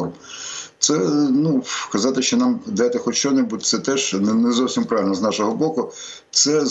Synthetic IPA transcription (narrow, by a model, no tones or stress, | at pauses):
rm | t̪sɛnukɐzɑt̪ɪʃt͡ʃɔnɑmd̪ɛt̪ɪxɔt͡ʃɔnebud̪̚ʲt̪sɛt̪ɛʂnnɛzɔwsʲimpɾɑʋɪlʲnznɑʃɔɦɔbɔkʊ | t̪sɛ